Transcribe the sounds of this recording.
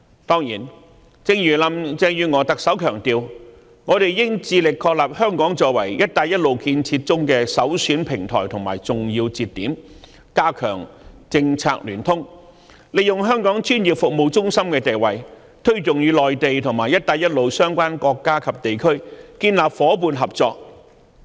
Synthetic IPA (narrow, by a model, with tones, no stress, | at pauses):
t̪ɔː˥ŋjiː˨˩n | t͡sɪ˧ŋjyː˨˩lɐ˨˧˥mt͡sɛː˧jyː˨˧ŋɔː˨˧˥t̪ɐ˨k̚sɐ˨˥wkʰœː˨˩ŋt̪iː˨w | ŋɔː˨˧ɾe˨jjɪ˥ŋt͡siː˧lɪ˨kʰːɔː˧k̚laː˨p̚hœː˥ŋkɔː˨˥ŋt͡ʃɔː˧wɐ˨˩jjɐ˥t̚t̪aː˧jɐ˥t̚lo˨˧wkiː˧nt͡sʰiː˧t̚t͡sʊ˥ŋkɛː˧sɐ˨˥wsyː˨˥npʰɪ˨˩ŋt̪ʰɔ̰ː˨˩jt̪ʰʊ˨˩ŋmaː˨˩jt͡sʊ˨ŋji˧wt͡siː˧t̚t̪ːiː˨˥m | kaː˥kʰœː˨˩ŋt͡sɪ˧ŋt͡sʰa̰ː˧k̚lyː˨˩nt̪ʰʊ˥ŋ | le˨jʊ˨ŋɦœː˥ŋkɔː˨˥ŋt͡ʃyː˥nji˨p̚fʊ˨k̚mo˨wt͡sʊ˥ŋsɐ˥mkɛː˧t̪e˨˩jwɐ˨j | t̪ʰɵ˥ɥt͡sʊ˨ŋjyː˨˧lɔː˨jt̪e˨jt̪ʰʊ˨˩ŋmaː˨˩jɐ˥t̚t̪aː˧jɐ˥t̚lo˨˧wsœː˥ŋkʷwaː˥nkɔː˧kːaː˥kʰɐ˨p̚t̪e˨jkʰɵ˥ɥkiː˧nlaː˨p̚fɔː˨˥puː˨˧nɦɐ˨p̚t͡sɔː˧k̚